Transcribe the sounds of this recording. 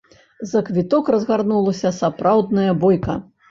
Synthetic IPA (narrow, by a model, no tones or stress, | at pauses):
zɐkvʲit̪ɔkrɐzɣarnulˠɐsʲɐsapɾawd̪nɐjɐbɔjkɐ̰